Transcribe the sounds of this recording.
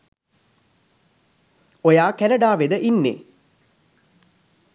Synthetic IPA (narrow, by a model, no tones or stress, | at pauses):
ojaːkænəɖaːʋed̪əʔinːḛ